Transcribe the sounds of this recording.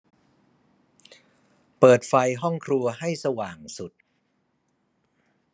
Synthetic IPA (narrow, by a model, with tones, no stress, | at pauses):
pɤː˨˩t̪̚fa˧jɦɔ˥˩ŋkʰɾu˧ɐɦa˥˩jsa˧waː˨˩ŋsu˨˩t̪̚